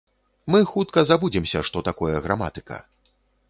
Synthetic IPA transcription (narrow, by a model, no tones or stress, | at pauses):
mɨxut̪̚kɐzabud͡zʲimsʲɐʂt̪ɔt̪akɔjɐɣɾama̰t̪ɨ̥kɐ̰